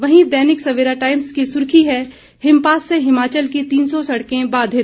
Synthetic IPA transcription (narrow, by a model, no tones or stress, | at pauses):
ʋɐɦĩd̪ɛːnɪksɐʋeːɾaʈaːɪmskisʊɾkʰiɦɛ | hɪmpaːsːeɦɪmaːt͡ʃəlkit̪iːnsɔsɐɽkẽbaːd̪ʱe